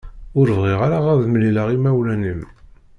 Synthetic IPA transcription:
ʊɾvʁiʁaɾaʁæðmliləʁimæwlænim

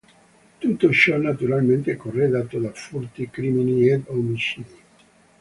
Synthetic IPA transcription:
t̪ut̪ːot͡ʃɔnat̪uɾalment̪ekorːeɡaːt̪od̪afɔrt̪ikɾiminied̪omit͡ʃiːd̪i

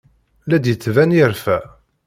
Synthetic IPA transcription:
læd̪jət͡sːvænɪɾfæ

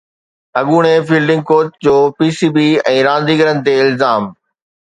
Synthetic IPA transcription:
ɐɠuːɽ̃efiːlɖɪ̃ŋɡ̚koːʈ̚d͡ʑoːpiːsiːbiːɛ̃ːɾãːn̆d̪iːɡəɾənɪ̆t̪eːɪlzaːm

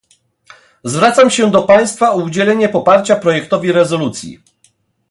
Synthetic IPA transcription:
zvɾat̪samɕɛd̪ɔpaj̃st̪faɔud͡ʑɛlɛɲɛpɔpaɾt͡ɕapɾɔjɛkt̪ɔvʲiɾɛzɔlut̪sʲjḭ

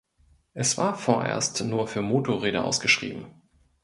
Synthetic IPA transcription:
ʔɛsv̥aːɐfoːɐʔḛːɐstnuːɐfyːɐmoːtʰoʁeːɾəʔa̰ʊsɡ̥əʃʁ̥ḭːbm̩

